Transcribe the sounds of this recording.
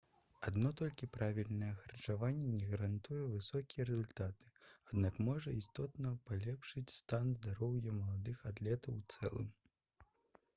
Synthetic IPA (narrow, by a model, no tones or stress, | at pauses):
ad̪nɔt̪ɔlʲkʲipɾavʲilʲnɐjɛxɐrt͡ʂavanʲːɛnʲɛɣɐɾant̪ujɛvɨsɔkʲijɛɾɛzulʲt̪at̪ɨ̥ad̪nakmɔʐɐist̪ɔt̪nɐpalʲɛpʂɨt͡sʲst̪anzd̪aɾɔwjɐmɐlˠad̪ɨxat̪lʲɛt̪ɐwt̪sɛ̰lˠɨ̰m